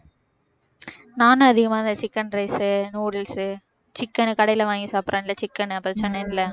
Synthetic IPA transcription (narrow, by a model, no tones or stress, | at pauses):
naːnɯɐðɪɣɐmaːɪnd̪ɐt͡ʃɪkːɐnɾɐɪsɯnuːɽɐlsɯ | t͡ʃɪkːɐnɯkɐɽɐjɪlɐʋaːŋɡisaːpɾʔãːnɪlːɐt͡ʃɪkːɐnɯɐpːɐt͡ʃɛnːɐnɪlɐ